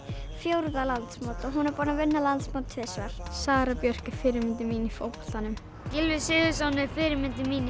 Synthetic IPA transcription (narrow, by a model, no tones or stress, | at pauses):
fjowɾðalant̪smoːwt̪ɔɣɦunɛɾpɔːɾnavɪnːalant̪smawt̪ʰvɪsvaɾ̥saːɾapjœr̥cɪ̥fɪːɾɪɾmɪnt̪ɪmiːnifowpɔ̥ɬt̪anʏm | cɪlvɪsɪːðʏs̬awnɪfɪɾɪɾmɪnt̪ɪmiːni